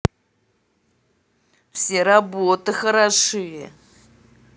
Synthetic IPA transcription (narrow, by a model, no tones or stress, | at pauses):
fsʲerabot̪ɨxəɾaʂɨjɪ